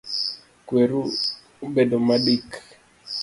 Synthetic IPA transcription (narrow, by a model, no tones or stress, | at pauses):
kweɾu | bedomaɗik